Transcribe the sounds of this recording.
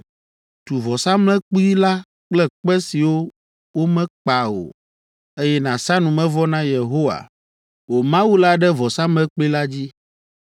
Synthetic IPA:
t̪u˨vɔ˨sa˦mlɛ̃˦k͡pu˦i˦la˦ | k͡plɛ˦k͡pɛ˦si˨wo˦ | wo˦mɛ̃˦k͡pa˨o̰˨ | e˦jɛ˦nã˨sa˦nũ˨mɛ̃˦vɔ˦nã˦je˨ɦo˦wa̰˨ | wo˨mã˦wu˦la˦ɖɛ˦vɔ˨sa˦mlɛ̃˦k͡pli˦la˦d͡ʑi˦

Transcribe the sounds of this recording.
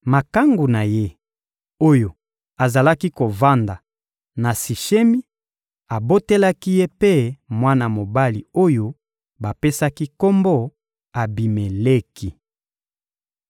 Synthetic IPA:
ma˨ka˦ŋɡu˨na˨je˦ | o˦jo˨ | a˨za˨la˦ki˦ko˨va˦nda˨ | na˨si˨ʃe˦mi˦ | a˨bo˦te˦la˦ki˦je˦pe˦mwa˦na˨mo˨ba˦li˨o˦jo˦ | ba˨pe˦sa˦ki˦ko˦mbo˦ | a˨bi˨me˨le˦ki˨

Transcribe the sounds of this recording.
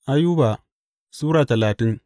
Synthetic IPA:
ʔa˦juː˦baː˨ | suː˦ɾaː˨tɐ˨laː˨tɪ˦ŋ

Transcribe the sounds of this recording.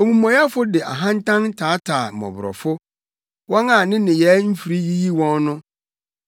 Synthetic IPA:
o˨mũ˨mɔ̃˨ja˦fʊ˦dɪ˨ʔa̰˨ɦã˦n˦tʰã˦n˦tʰaː˨˦tʰaː˨mɔ̰̃˨bʊ˨ɾɔ̰˨fʊ˦ | wɔ̃˦na˨nɪ̃˦nɪ̃˨jɛː˨˦m̩˦fi˨ɾi˦ji˦ji˦wɔ̃˦nːʊ̃˦

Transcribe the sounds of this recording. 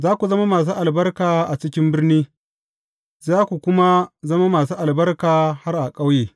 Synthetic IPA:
zaː˦kʷu˨zɐ˦ma˦maː˨s̬uː˦ʔa˨lbɐ˦rkaː˨ʔa˨t͡ʃɪ˦kʲɪ˦mbɪ˦rniː˦ | zaː˦kʷu˨kʷʊ˦ma˦zɐ˦ma˦maː˨s̬uː˦ʔa˨lbɐ˦rkaː˨ha˦rʔa˨kʼa˦wjeː˨

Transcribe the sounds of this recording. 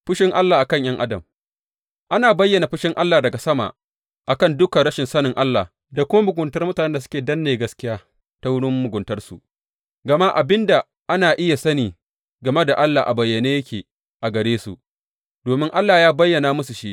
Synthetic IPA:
ɸʊ˦ʃɪ˦ŋʔa˦lːaː˨ʔa˨kɐ˦ɲj̰ɐ˦ŋʔa˦dɐ˨m | ʔa˦naː˨bɐ˦jːɐ˨na˨ɸʊ˦ʃɪ˦ŋʔa˦lːaː˨dɐ˨ɡa˨sɐ˦ma̰˨ʔ | ʔa˨kɐ˦˨ndʊ˦kɐ˨ɽɐ˦ʃɪ˨nsɐ˦nɪ˨ŋʔa˦lːaː˨ | da˨kʷʊ˦ma˦mʊ˨ɡʷʊ˨ntɐ˦rmʊ˦ta˨nɛ˦nda˨s̬ʊ̥˦kʲeː˨dɐ˦nːeː˨ɡɐ˦skʲɪ˦jaː˦ | ta˦wʊ˦ɽʊ˦mːʊ˨ɡʷʊ˨ntɐ˦rsṵ˨ | ɡɐ˨ma˦ʔa˨bɪ˦nda˨ | ʔa˦naː˨ʔɪ˦ja˨sɐ˦niː˨ | ɡɐ˨me˦da˨ʔa˦lːaː˨ʔa˨bɐ˨jːɐ˨neː˦jɐ˦kʲeː˨ | ʔa˨ɡɐ˨ɽeː˦sṵ˨ʔ | d̥oː˨mɪ˦ŋʔa˦lːaː˨jaː˦bɐ˦jːɐ˨naː˨mʊ˦su˨ʃi˦ʔ

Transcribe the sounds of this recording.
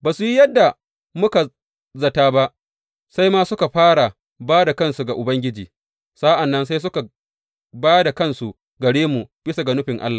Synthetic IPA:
baː˨su˨ji˦jɐ˦dːa˨ | mʊ˦ka˨ | zɐ˨taː˦ba˦ʔ | sa˦jmaː˦sʊ˦ka˨ɸaː˦ɽa˨ | baː˦da˨kɐ˦nsu˨ɡa˨ʔʊ˨bɐ˦ŋɡʲɪ˦d͡ʒiː˨ | sa˦ʔa˨nːɐ˦nsa˦js̬ʊ˦ka˨ | baː˦da˨kɐ˦nsu˨ | ɡɐ˨ɽeː˦mu˨b̥ɪ˦sa˨ɡa˨nʊ˦ɸɪ˨ŋʔa̰˦lːa˨

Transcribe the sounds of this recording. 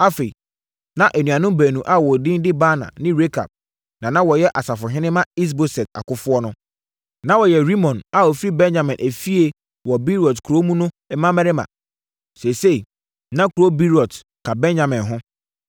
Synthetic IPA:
a˦fe˨ | nã˨ʔæ˨nũ˨ã˨nʊ̃˦mbæ˨nũ˨ʔa˦wɔ˨dɪ̃˦ndɪ˦ba˦nã̰˨nɪ̃˦ɾe˦kʰa̰˨b̚ | nã˨nã˦wɔ˨jɛ˦ʔa˨sa˨fʊ˨ɦɪ̃˦nɪ̃˦mã˦i˦s̬bo˨sɛ˨ta̰˨kʊ˦fʊ˦ɔ˦nʊ̃˦ | nã˨wɔ˨jɛ˨ɾi˦mɔ̃˨na˨wɔ˨fi˦ɾi˦bɛ̃˦nd͡ʑã˨mɪ̃˨nʔæ˨fi˦e˦ | wɔ˨bi˦ɾɔ˨tkʰu˨ɾo˦mũ˦nʊ̃˦ | ɛ˦mã˦mɛ˦ɾɪ˦mã̰˨ | se˨se˦i˨ | nã˦kʰu˨ɾo˦bi˦ɾɔ˨t | kʰa˨bɛ̃˦nd͡ʑã˨mɪ̃˨nɦʊ̃˦

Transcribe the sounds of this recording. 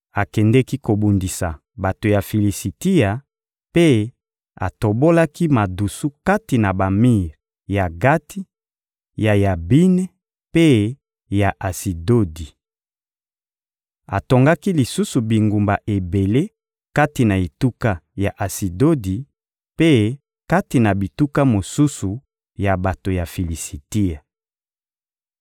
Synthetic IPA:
a˨kɛ˨ndɛ˦ki˦ko˨bu˨ndi˨sa̰˨ | ba˨to˨ja˨fi˨li˨si˨ti˦a˨ | pe˦ | a̰˨to˨bo˦la˦ki˦ma˨du˨su˦ka˦ti˨na˨ba˨mi˦ʁ | ja˨ɡa˦tʰi˦ | ja˨ja˨bi˦nɛ˦ | pe˦ | ja˨ʔa˨si˨do˦di˨ | a˨to˨ŋɡa˦ki˦li˨su˦su˨bi˨ŋɡu˨mba˨ʔe˨be˨le˦ | ka˦ti˨na˨e˨tu˦ka˦ja˨ʔa˨si˨do˦di˨ | pe˦ | ka˦ti˨na˨bi˨tu˦ka˦mo˨su˦su˨ | ja˨ba˨to˨ja˨fi˨li˨si˨ti˦a˨

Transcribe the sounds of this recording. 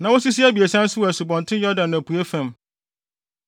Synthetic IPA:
nã˨wo˦si˦s̬i˦æ˦bi˨e˨sã˦n̩˦sʊ˦wæ˨sʊ˨bɔ̃˨ntʰɪ̃˦jɔ˦dã˨nːã˨pʰu˨e˦fæ̃˨m

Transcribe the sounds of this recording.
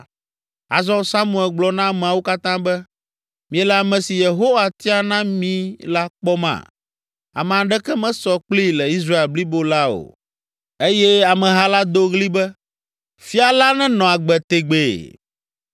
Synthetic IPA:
a̰˨zɔ̃˦sa˦mũ˦˨ɛ˨lɡ͡blɔ˨nã˦˨mɛ̃˨a˨wo˦ka˦t̪ã˦bɛ˦ | mĩ˨ɛ˨lɛ˨a˨mɛ̃˨si˨je˨ɦo˦wa˨t̪i˦a˨nã˦mĩ˦la˦k͡pɔ˦mã̰˨ | a̰˨mɛ̃˨a˨ɖɛ˦kɛ˦mɛ̃˦sɔ˦k͡pli˦lɛ˨i˦s̬ɾa˦e˨lbli˦bo˦la˦o̰˨ | e˦jɛ˦a˨mɛ̃˨ɦa˦la˦d̪o˦ɣli˦bɛ˦ | fi˦a˨la˦nɛ̃˦nɔ̃˨a˨ɡ͡bɛ˨t̪e˨ɡ͡be˨

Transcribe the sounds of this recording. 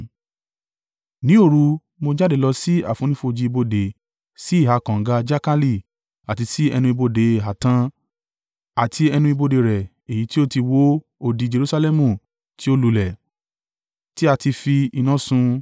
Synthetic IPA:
nĩ˨˦o˦˨ɾu˧ | mo˧d͡ʒa˦de˨lɔ˧si˦a̰˦˨fũ˨˦nĩ˦fo˧d͡ʒi˧i˧bo˧de˨ | si˦˨ɦa˨˦kã˨ŋ̩˨˦ɡa˧d͡ʒa˦ka˦li˦˨ | a˨ti˧si˦ɛ˧nũ˧i˧bo˧de˨ɦa˨tã˧ | a˨ti˧ɛ˧nũ˧i˧bo˧de˧ɾɛ˨ | e˨ji˨˦ti˦o˦ti˧wo˦ | o˧di˧d͡ʒe˧ɾu˧sa˧lɛ˦mũ˦˨ | ti˦o˦lu˧˨lɛ˨ | ti˦a˧ti˧fi˧i˧nã˨˦sũ˧

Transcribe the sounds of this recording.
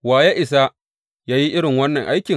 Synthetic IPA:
waː˨ja˦ʔɪ˨s̬a˦ | jaː˦ji˦ʔɪ˦ɽɪ˨ŋwɐ˦nːɐ˨ŋʔa˦jkʲɪ˨

